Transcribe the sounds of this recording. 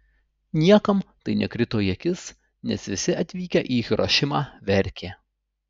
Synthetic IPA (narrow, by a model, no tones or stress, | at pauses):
nʲiɛkɐmt̪ɐɪnʲɛkɾʲɪt̪oːjiɛkʲɪs | nʲɛsʋʲɪsʲɪɐt̪ʲʋʲiːkʲɛʔiːɾʔo̰ʃʲɪmɑːʋʲɛɾʲkʲeː